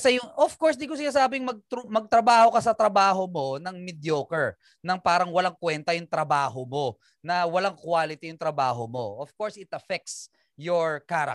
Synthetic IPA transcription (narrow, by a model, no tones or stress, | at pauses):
ɐsɛjʊŋʔofkoɹsd̪iɡkos̬ɪnaːsaːbɪŋmɐɡ̚t̪mɐɡ̚t̪ɾɐbaːho̞kɐsɐt̪ɾɐbaːɦo̞mo̞nɐŋmɪd̪joːkɛɹ | nɐŋpaːɾɐŋwɐlaŋkwɛnt̪ɐjʊŋt̪ɾɐbaːɦomo̞ | nɐwɐlaŋkwaːlɪt̪ijʊŋt̪ɾɐbaːɦo̞mo̞̰ʔofkoɹsɪt̪ɐfɛk̚t̪s | joɹkaːɾɐ̰